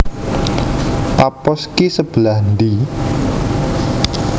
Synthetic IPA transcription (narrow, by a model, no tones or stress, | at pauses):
papɔskisəb̥əlahnd̪i